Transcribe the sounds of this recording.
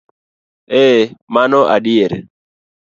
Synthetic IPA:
ɛmanɔʔa̰ɗɪeɾ

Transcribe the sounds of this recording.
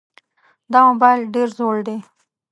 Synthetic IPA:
d̪ɑmobɑjlɖeɾzoɽd̪e

